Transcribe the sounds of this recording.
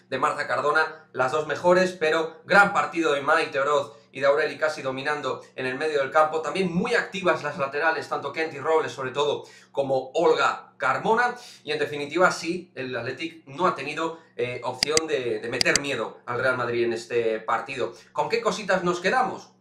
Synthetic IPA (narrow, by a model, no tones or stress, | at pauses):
d̪e̞maɾt̪akaɾðo̞nalazðo̞zme̞xo̞ɾe̞spe̞ɾo̞ɣɾampaɾt̪iðoðemajt̪eoɾo̞θ | ḭðeawɾe̞likasið̞o̞mĩnãnd̪o̞e̞ne̞lme̞ð̞jo̞ð̞e̞lkampo̞t̪ambje̞ŋmujak̚t̪iβ̞azlazlat̪e̞ɾale̞st̪ant̪o̞kent̪iro̞βle̞so̞βɾe̞t̪o̞ð̞o̞ko̞mo̞olɣakaɾmo̞naie̞nd̪e̞finit̪iβasielat̪le̞t̪iknoat̪e̞niðo̞eop̚θjo̞nd̪e̞d̪e̞me̞t̪e̞ɾmje̞ð̞oalre̞almað̞ɾie̞ne̞st̪e̞paɾt̪iðoko̞ŋke̞ko̞sit̪azno̞ske̞ðamo̞̰s